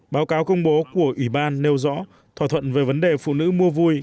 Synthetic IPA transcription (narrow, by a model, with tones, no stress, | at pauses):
ɓaː˨˦wkaː˨˦wkə˧wŋ͡mɓo˨˦ku˧˩əʔwi˧˩ɓaː˧nːe˧wzɔ̰˧˥ | t̪ʰwaː˧˩t̪ʰwə̰˧˨nve˨˩və˨˦nɗe˨˩fṵ˧˨nɨ̰˧˥mu˧əvu˧j